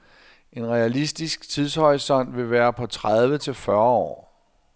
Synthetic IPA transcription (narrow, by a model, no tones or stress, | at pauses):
ʔe̝nʁɛælisd̥isɡ̥t͡sʰiðˠshɒ̽ɪsɒ̽n̰ʋe̝ʋæːɐpʰɒ̽t͡sʰʁaðˠʋət͡sʰe̝lfɶɐɒ̰ː